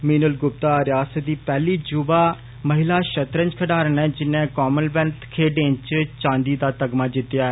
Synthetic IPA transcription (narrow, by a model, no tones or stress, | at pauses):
miːnəlɡʊp̚t̪aːɾɪjaːsət̪̚d̪iːpɛːliːd͡ʒʊbaː | məɦɪlaːʃət̪ɾə̃nd͡ʒkʰəɖaːɾənɛ̃ːd͡ʒɪnːɛ̃ːkɔːməlbɛ̃nt̪kʰeːɖẽːnt͡ʃt͡ʃãːnd̪iːd̪aːt̪əɡmaːd͡ʒɪt̪ːjaːɛː